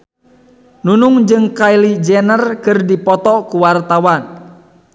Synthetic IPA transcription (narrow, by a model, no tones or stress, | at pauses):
nunʊŋd͡ʒɨŋkailid͡ʒɛnərkɨrdipɔt̪ɔkuwart̪awan